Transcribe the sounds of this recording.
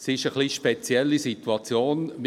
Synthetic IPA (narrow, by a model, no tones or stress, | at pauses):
sɪʃəχliʃpet͡sjɛlːisituɑt͡sjoːnm